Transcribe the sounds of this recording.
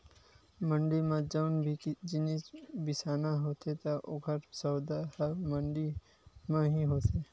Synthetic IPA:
mə̃ɳɖimãd͡ʒaːnbʱid͡ʒɪnisbɪsaːnaɦoːt̪ʰet̪aʔʊɡʱəʈsɔːd̪ahəməɳɖi | mãɦiɦoːt̪eː

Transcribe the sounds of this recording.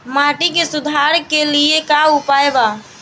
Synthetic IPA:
maʈikesud̪ʱaɾkeliekaupaeba

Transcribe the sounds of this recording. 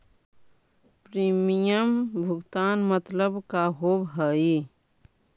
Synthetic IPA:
pɾimijəmbʱuɡt̪aːnmət̪ləbkaɦobɦəi

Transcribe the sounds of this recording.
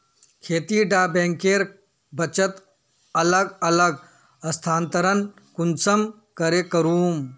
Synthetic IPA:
kʰeːt̪iːɖaːbẽːŋkeːɾ | bɐt͡ʃət̪ | ɐləɡɐləɡ | ɐst̪ʰaːnt̪ɐɾən | kunsɐm | kɐɾekɐɾuːm

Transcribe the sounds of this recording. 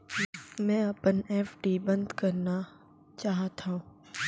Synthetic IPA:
mɛ̃ːɐpəneːfɖibɐ̃nd̪kɐɾna | t͡ʃaːɦt̪ʰaːũ

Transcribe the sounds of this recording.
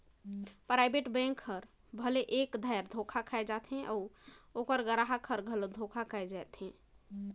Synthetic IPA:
pɾajbeʈbɛ̃ŋkʰːəɾ | bʱəleʔekd̪ʱajɾd̪ʱokʰakʰaɛd͡ʒat̪ɦɛ̃ʔɔokəɾɡəɾaɦakʰəɾɡʱəlod̪ʱokʰakʰaɛd͡ʒaɛt̪ɦɛ̃

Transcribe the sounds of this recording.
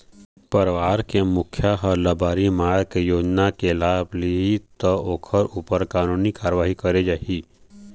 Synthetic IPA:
pəɾʋaːɾkemʊkʰjaɦɔɾlɐbaːɾimaːɾkejoːd͡ʒnakelaːbliit̪ɔoːkʰəɾuːpəɾkaːnuːnikaːɾəʋaːɦikəɾed͡ʒaːɦi

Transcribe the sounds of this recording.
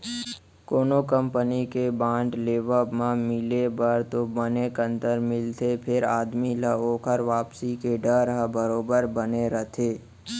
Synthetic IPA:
koːnokə̃mpənikebãːɳʈleːʋəmãmɪlebəɾt̪obənekə̃nt̪əɾmɪlt̪ʰepʰɪɾaːd̪miləoːkʰəɾʋaːpsikeɖəɾɦabəɾoːbəɾbəneɾət̪ʰeː

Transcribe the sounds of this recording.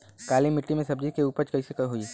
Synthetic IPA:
kaːlimɪʈːimẽsɐb̚d͡ʒikeuːpəɾt͡ʃkɐisekɐɦui

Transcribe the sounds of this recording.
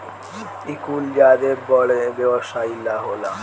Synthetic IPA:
ikuld͡ʒad̪eɾbɔɭebɛboʃailaɦola

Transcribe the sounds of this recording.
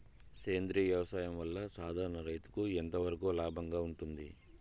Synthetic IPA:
keːnd̪ɾiːʋjɐʋɐsaːjɐmʋɐlːɐsaːd̪ʱaːɾɐɳɐɾɐjt̪u̥kuent̪ɐʋɐɾɐkuːlaːbʱɐŋɡaːuɳʈund̪ḭ

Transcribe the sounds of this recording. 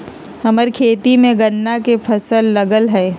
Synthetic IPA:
hɐməɾkʰeːt̪imẽɡɐnːakefʰɐsəlːɐɡəlɦɛː

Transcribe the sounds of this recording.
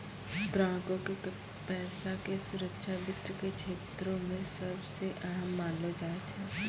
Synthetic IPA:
ɡ̪ɾãːkõkek | pɛːsakesʊɾəkʃabɪt̪ɾəkekʃʰeːt̪ɾõmẽsɐbseʔaɦəmːaːnlod͡ʒaːet͡ʃʰɛː

